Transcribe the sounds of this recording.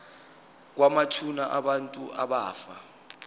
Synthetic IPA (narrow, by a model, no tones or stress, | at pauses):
k̬wamat͡ʃʰunaʔaɓantʼuʔaɓaːfa